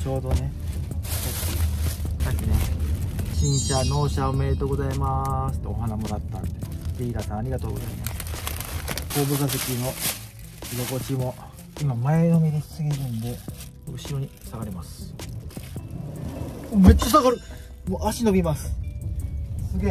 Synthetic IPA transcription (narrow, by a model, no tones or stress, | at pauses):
t͡ɕo̞ːd̪o̞ne̞ | toisakʲːine | ɕĩɰ̃ɕano̞ːɕaome̞ɾɯt̪o̞ɡo̞zaimasɨ̥t̪ːeoɦanamoɾat̪ːa̰neɾiiɡat̪ãaɾʲiɡat̪o̞ːɡo̞zaimasɨ̥ | ko̞ːbɯkas̬ekʲino̞ | jo̞ko̞t͡ɕimo̞ | imamaeno̞mʲid̪ei̥sɨɡʲiɾɯ̃nd̪e̞ | ɯ̟ɕiɾo̞ɲ̟isaɡaɾemasɨ̥ | omet͡ɕːasaɡaɾɯ | moaɕinobʲimasɨ̥ | sɨɡʲe